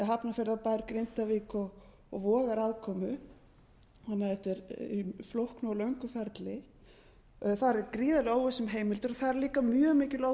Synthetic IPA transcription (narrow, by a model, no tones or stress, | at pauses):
ɛɦapnafɛɾðapaːɪɾkɾɪnt̪aviːkɔɣ | ɔɣvɔːɣaɾaðkʰɔːmʏ | hanːaðɛht̪ɪɾiflowhknʏɔlœɥŋkʏfɛɾt̪lɪ | θaɾkɾiːðalɪaːwvɛsːʏmɦeːjmɪlt̪ʏɾɔθaðɾliːkamjœːɣmɪːcɪlo